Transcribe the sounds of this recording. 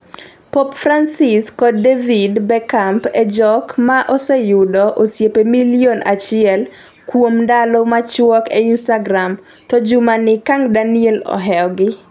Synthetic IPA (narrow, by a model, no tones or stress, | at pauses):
pɔpfransiskɔdevidbɛkampɛd͡ʒɔkmaʔosɛjʊdɔʔosjepemiljonat͡ʃɪɛl | kwomdalɔmat͡ʃwɔkɛinstaɡɾam | tɔd͡ʒʊmanɪkaŋdanielɔ̰ɦɛɔɡɪ